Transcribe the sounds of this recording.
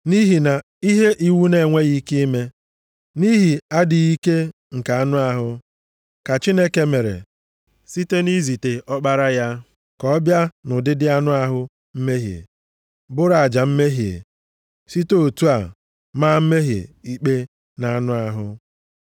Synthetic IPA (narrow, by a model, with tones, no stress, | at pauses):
ni˦ɦi˨na˨ | i˦ɦe˦ʔi˦wu˦ne˨ŋʷe˦ɣi˦ki˦me˦ | ni˦ɦi˨a˦dɪ˨i˦ke˦ | ŋ̩˨ka˨a˦nʊ˦a˨ɦʊ˦ | ka˨t͡ʃi˦ne˦ke˦me˨ɾḛ˨ | si˦te˦ni˦zi˨te˨ʔɔ˦k͡pa˦ɾa˦ja˦ | kɔ˦bja˦nʊ˨dɪ˦dɪ˦a˦nʊ˦a˦ɦʊ˦ | m̩˦me˦ɦi˨ḛ˨ | bʊ˦ɾa˨a˨d͡ʒa˨m̩˦me˦ɦi˨ḛ˨ | si˦to˦˨tu˦a˨ | ma˦m̩˦me˦ɦḛ˨i˦k͡pe˦ | na˨a˦nʊ˦a˦ɦʊ˦